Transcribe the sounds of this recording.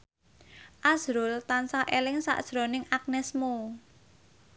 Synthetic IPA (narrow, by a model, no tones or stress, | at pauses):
ʔaz̥ɾʊlt̪ansaʔelɪŋsa̰ʔd̥ʒ̥ɾo̤nɪŋʔak̚nɛsmo